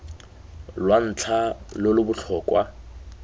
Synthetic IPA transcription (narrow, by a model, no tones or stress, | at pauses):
lwan̩t͡ɬʰalʊlʊbʊt͡ɬʰɔːkʼwa